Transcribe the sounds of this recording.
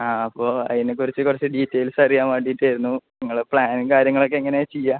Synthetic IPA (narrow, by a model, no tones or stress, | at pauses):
aːɐpːo̞ːɐ̰ðinekurit͡ɕːɨkurɐt͡ɕːɨɖiːtːejlsɐrijaːmaːʈːiːtːaːjɾunːunɐŋːɐɭpɭaːnkaːɾjɐŋːɐɭo̞k̬ːeːŋːɐnet͡ɕejːa